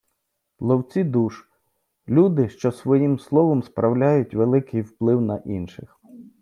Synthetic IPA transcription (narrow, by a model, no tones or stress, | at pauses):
lˠɔwt͡sʲid̪uʃ | lʲud̪ɪʃt͡ʃɔsʋɔjimslˠɔʋɔmspɾɐwlʲajʊtʲʋelˠɪkɪjwplˠɪwnɐʔinʃɪx